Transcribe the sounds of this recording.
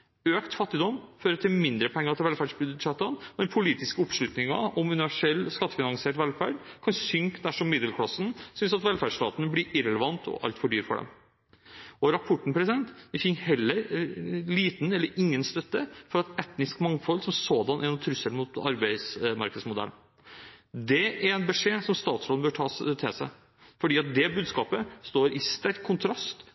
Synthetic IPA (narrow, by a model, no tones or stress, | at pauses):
øːkt̪fɑt̪ːɪd̪ɔmføːɾət̪ʰɪlmɪnd̪ɾəpʰɔɛŋːəɾɑt̪ʰɪʋɛlfæːɖʂbʉd̪ʂɑt̪ːɑnɛnpʰʊliːt̪ɪskəɔpʂlʉt̪nɪŋɑ̰ɔmʉnɪʋæʂɛlːskɑt̪ːə̥fɪnɑŋseːʈʋɛlfæ̰ːɖkʰɑnsʏŋkd̪æʂɔmːɪd̪əlkʰlɑsːənsʏnsɑt̪ʋɛlfæɖʂt̪ɑ̰ːt̪ənəblɪɾɪɾɛləʋɑnt̪ʰɔ̰ʔɑ̰lt̪fɔɖyːɾfɔ̰ɖɛ̰m | ɔɾɑpʰɔʈːɳ̩pʰɾɛsɪd̪ɛnt̪ɪfɪnhɛlːəɾliːt̪nɛlːəɾɪŋːənst̪œt̪ːəfɔɾɑt̪ɛt̪nɪskmɑŋfɔlsɔmsoːd̪ɑnʔæɾnʊt̪ʰɾʏsːəlmʊt̪ɑ̰ɾbæɪsmɑɾkəd̪smʊd̪ɛ̰ln | d̪ɛæɾɛnbɛʂeːsɔmst̪ɑːt̪slɔbœːɾʈʰɑːst̪ʰɪsæɪ | fɔɖiːɑt̪̚d̪ɛbʉːd̪skɑːpəst̪oːɾʔɪst̪æɾkʰːʊnt̪ʰɾɑst̪